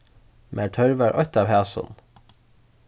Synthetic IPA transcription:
mʔæːʈʰœɹʋæɹʔɔ̰t̪ɑːʋhæːsʊ̰n

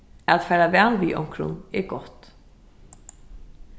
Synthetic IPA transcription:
æt̪fɛːɾavæːlʋiːʔɔ̰wmkʰɾʊ̰nɛɡɔht̪

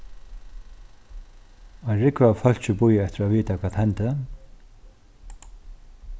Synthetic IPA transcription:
aɹɪkvafœl̥t͡ɕɪbʊjɛt̪ɪɾaviːt̪akʰvaːt̪hɛnt̪ə

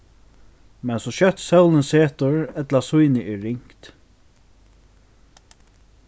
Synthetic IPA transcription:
mɛnsɔʃœht̪sɛwlənseːt̪ʊɹɛt̪lasujnɪʔɛːɪŋ̥kt̪

